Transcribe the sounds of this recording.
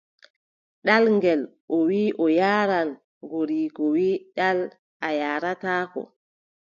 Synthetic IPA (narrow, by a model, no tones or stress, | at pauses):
ɗalŋɡɛl | ʔɔwiːʔɔjaːɾan | ɡoɾiːkɔwiːɗal | ajaːɾataːkɔ̰